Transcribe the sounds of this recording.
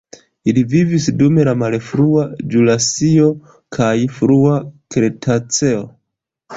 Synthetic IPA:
ilivivisdume̞lamalefɾuad͡ʒulasio̞ | kʰajfɾuakɾetʰat͡se̞o

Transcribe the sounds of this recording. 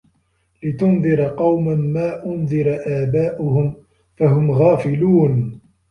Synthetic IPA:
lɪt̪ʊnðɨɾqɑwmanmaːʔʊnðˤɪɾˤaʔaːbaːʔʊhʊm | faɦʊmɣaːfɪluːn

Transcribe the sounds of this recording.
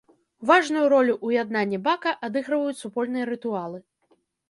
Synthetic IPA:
vaʐnujuɾɔlʲuʔujad̪̚nanʲːɛbakɐʔad̪ɨɣɾɨvɐjut͡sʲsupɔlʲn̪ɨjɐɾɨt̪ualˠɨ

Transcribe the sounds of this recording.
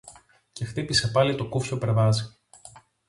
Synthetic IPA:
ce̞xt̪ipisepɐlit̪o̞kufçopeɾðɐzi

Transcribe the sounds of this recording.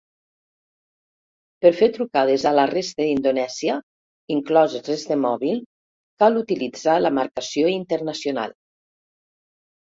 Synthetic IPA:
pəɾfeɾt̪ɾukað̞ezalərest̪əd̪ind̪onɛzjə | iŋklɔzerezd̪emɔβilˠ | kalut̪ilid͡zaləmaɾkəsijoint̪əɾnəsjona̰lˠ

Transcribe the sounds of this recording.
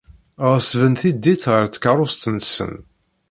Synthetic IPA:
ʁsvənθid̪ːiθʁəɾt͡sːə̥kaɾˤʊst̪ənsə̰n

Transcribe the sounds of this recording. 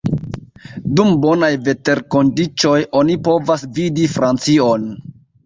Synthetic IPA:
dumbo̞najve̞te̞ɾko̞ndit͡ʃo̞jo̞nipo̞vasvidifɾant͡sio̞n

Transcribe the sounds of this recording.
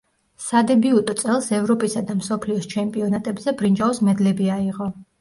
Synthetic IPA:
sad̪ɛbiut̪ʼɔt̪sʼɛlˠsɛvɾɔpʼisad̪amsɔpʰliɔst͡ʃʰɛmpʼiɔnat̪ʼɛbzɛbɾind͡ʒaɔsmɛd̪lɛbiaiʁɔ

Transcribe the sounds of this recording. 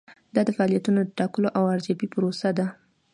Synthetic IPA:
d̪̥ɑd̪əfaɑlijat̪unod̪əʈɑkəloʔawaɾzjɑbipʊɾosad̪a

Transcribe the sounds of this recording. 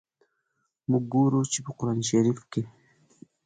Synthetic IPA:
muɡuɾut͡ʃipuquɾaːniʃaɾifki

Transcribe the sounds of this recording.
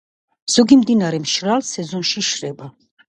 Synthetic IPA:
z̥ɔɡimd̪inaɾɛmʃɾalsɛzɔnʃiʃɾɛba

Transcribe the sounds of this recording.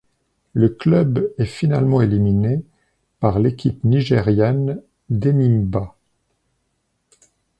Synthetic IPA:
ləklœbɛfinalmɑ̃elimine | paʁlekʲipniʒeʁjan | d̪enimba

